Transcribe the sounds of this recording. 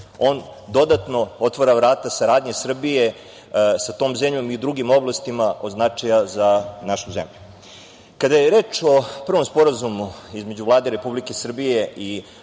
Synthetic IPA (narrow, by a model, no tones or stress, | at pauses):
o̞ːnd̪o̞d̪at̪no̞o̞t̪ʋoɾavɾaːt̪asaɾaːd̪ɲesr̩bije̞ | sat̪o̞ːmzemʎo̞miud̪ɾuɡimo̞blˠast̪imaʔo̞znat͡ʂajazanaʃuzḛmʎu | kad̪ajeɾe̞ːt͡ʃo̞pr̩ʋo̞mspo̞ɾazumuizme̞d͡ʑuvlˠaːd̪eɾe̞publikesr̩bije̞ʔi